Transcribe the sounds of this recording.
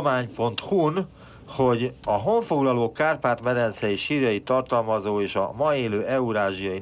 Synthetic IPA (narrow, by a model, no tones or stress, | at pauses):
maːɲpo̞nt̪hun | ho̞ɟɒɦo̞ɱfo̞ɡlɒloːkaːrpaːt̪mɛd̪ɛnt̪sɛjiʃiːrjɒjit̪ːɒrt̪ɒlmɒzoːeːʃɒ̰mɒeːløːʔɛuɾaːʒijɒji